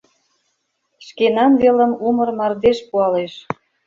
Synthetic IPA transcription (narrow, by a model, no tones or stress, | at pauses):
ʃkenɑnβelə̆mumɤ̆rmɑrd̪eʃpuɑleʃ